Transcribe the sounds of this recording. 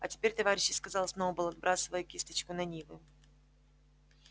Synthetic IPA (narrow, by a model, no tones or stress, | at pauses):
ɐtʲɪ̥pʲeɾʲt̪ɐvaɾʲɪɕːɪskɐzalˠsnovəbɨlˠɐd̪̚bɾʔasɨvəjʊkʲist̪ə̥t͡ɕkʊnɐnʲivɨ